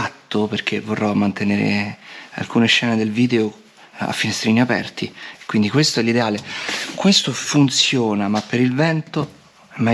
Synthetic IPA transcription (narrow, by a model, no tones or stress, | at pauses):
at̪ːoperk̟evorːɔmːant̪eneːɾḛa̰lkuːneʃːɛːned̪elviːd̪eo | a̰fːinest̪ɾiːniapɛ̰rt̪ikːwind̪ikwest̪oɛlːid̪eaːlekwest̪ofunt̪sjoːnamapːeɾilvɛnt̪o | ɛma